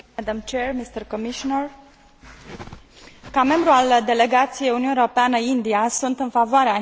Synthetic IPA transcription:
ɛd̪amt͡ʃermist̪ərkomiʃonər | kame̞mbɾuald̪e̞le̞ɡat̪sijejununeeɾopeanəind̪iasunt̪ɨnfavoaɾea

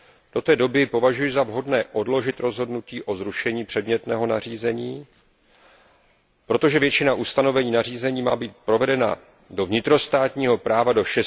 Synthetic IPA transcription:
d̥o̞t̪ɛːdo̞bɪpo̞vaʒujɪzavɦo̞dnɛːʔo̞dlo̞ʒɪt̪ɾo̞zɦo̞dnuciːʔo̞zɾuʃɛɲiːpr̥ɛdmɲɛt̪nɛːɦo̞nariːzɛɲiː | pɾo̞t̪o̞ʒɛvjɛt͡ʃɪnaʔust̪ano̞vɛɲiːnariːzɛɲiːmaːbiːt̪̚pɾo̞vɛdɛna̰ | do̞vɲɪt̪ɾo̞st̪aːt̪ɲiːɦo̞pɾaːvado̞ʃɛ

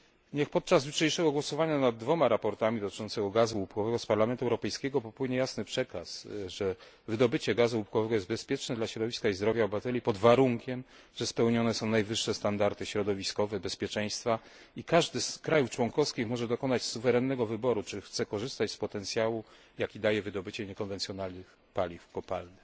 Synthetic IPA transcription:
ɲɛxpɔt̪̚t͡ʂazvʲit͡ʂɛjʂɛɡɔɡwɔsɔvaɲanad̪̚ːvɔmaɾapɔɾt̪amʲid̪ɔt̪ɘ̥t͡ʂɔnt̪sɛɡɔɡazuupkɔvɛɡɔspaɾlamɛnt̪uɛwɾɔpɛjskʲɛɡɔpɔpwɘɲɛjasnɘpʂɛkasʐɛ | vɘd̪ɔbɘt͡ɕɛɡazuupkɔvɛɡɔjɛst̪bɛspʲjɛt͡ʂnɛd̪laɕɾɔd̪ɔvʲiskaizd̪ɾɔvʲjaɔbvat̪ɛlʲjipɔd̪vaɾuŋkʲɛm | ʐ̥ɛspɛwɲɔnɛsɔ̃w̃najvɘʂːɛst̪and̪aɾt̪ɘɕɾɔd̪ɔvʲiskɔvɛbɛspʲjɛt͡ʂɛj̃st̪fa | ikaʐd̪ɘskɾajuft͡ʂwɔŋkɔfskʲixmɔʐɛd̪ɔkɔnat͡ɕsuvɛɾɛnːɛɡɔvɘbɔɾut͡ʂɘxt̪sɛkɔʐɘst̪at͡ɕspɔt̪ɛnt̪sʲjawu | jakʲid̪ajɛvɘd̪ɔbɘt͡ɕɛɲɛkɔnvɛnt̪sʲjɔnalnɘx | palʲifkɔpalnɘ

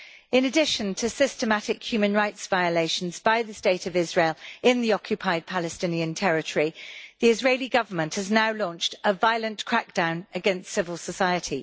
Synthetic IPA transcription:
ɪ̃nədɪʃə̃ntʰəsɪstəmatɪkhjʉːmə̃nɹaɪtsv̥aɪəleɪʃə̃nzbaɪðəsteɪtəvɪzɹeɪlˠɪ̃nðiɒkʰjɨpʰaɪd̚pʰalɨstɪ̃niə̃ntʰɛɹɪtʰəɹiðiɪzɹeɪliɡʌvə˞mə̃nʔhəznaʊlɔ̃ˑnt͡ʃtəvaɪələ̃nkʰɹ̥ak̚d̥ãʊ̃nəɡɛ̃nstsɪvəlˠsəsaɪətʰi

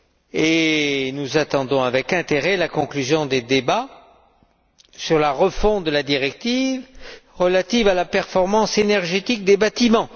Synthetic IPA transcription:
enuzat̪ɑ̃d̪ɔ̃avɛkɛ̃t̪eʁelakɔ̃klyzjɔ̃d̪ed̪eba | syʁlaʁəfɔ̃d̪əlad̪iʁɛk̚t̪ivʁəlat̪ivalapɛʁfɔʁmɑ̃senɛʁʒet̪ik̚d̪ebat̪imɑ̃

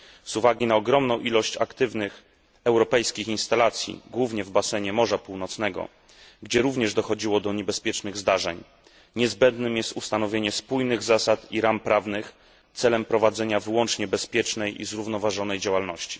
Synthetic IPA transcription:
z̥uvaɡʲinaɔɡɾɔmnɔ̃w̃ʔilɔɕt͡ɕakt̪ɘvnɘx | ɛwɾɔpɛjskʲixinst̪alat̪sʲjḭɡwuvɲɛvbasɛɲɛmɔʐapuwnɔt̪snɛɡɔ̰ | ɡd͡ʑɛɾuvɲɛʐd̪ɔxɔd͡ʑiwɔd̪ɔɲɛbɛspʲjɛt͡ʂnɘɣzd̪aʐɛɲ | ɲɛzbɛnd̪nɘmjɛst̪ust̪anɔvʲjeɲɛspujnɘɣzasat̪iɾampɾavnɘx | t̪sɛlɛmpɾɔvad̪zɛɲavɘwɔnt͡ʂɲɛbɛspʲjɛt͡ʂnɛjḭzɾuvnɔvaʐɔnɛjd͡ʑawalnɔɕt͡ɕi̥

